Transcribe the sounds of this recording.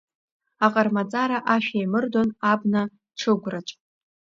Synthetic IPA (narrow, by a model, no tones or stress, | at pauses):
aqʼarmat͡sʼaɾaʔaʃᶣajmɨrdonabna | ʈ͡ʂʰɨɡʷrat͡ʃʼ